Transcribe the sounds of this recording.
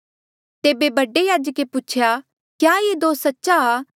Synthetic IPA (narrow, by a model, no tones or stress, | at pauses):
t̪eːbebɐɖejaːd͡ʒəkeput͡ʃʰja | kjaːjed̪oːssɐtːʃaː